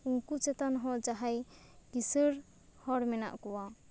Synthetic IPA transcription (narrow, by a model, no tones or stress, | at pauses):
uŋkut͡ʃɛt̪anɦɔd͡ʒaɦaj | kisəɾ | hɔɾmɛna̰ʔkɔwa